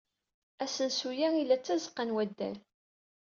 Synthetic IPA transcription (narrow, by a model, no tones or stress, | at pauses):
æsənsujæilːæt͡sːæzqːənwæd̪ːæ̰l